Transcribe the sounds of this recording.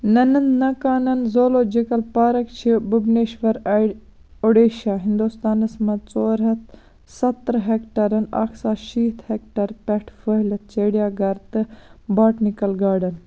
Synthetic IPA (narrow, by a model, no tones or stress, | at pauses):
nɐnɐnnɐkaːnɐnzoːloːd͡ʒikɐlpaːɾɐkt͡ʃʰibubneːʃʋɐɾɐ | oɽeːʃaːɦind̪ust̪aːnɐsmɐt͡soːɾɦɐt̪ | sɐt̪ɾɦeːkʈɐɾɐna̰ːksaːʃiːt̪ʰhekʈɐɾpɛʈʰfəɦlɐt̪̚t͡ʃeːɽijaːɡɐɾt̪ɨbaːʈnikɐlɡaːɖɐn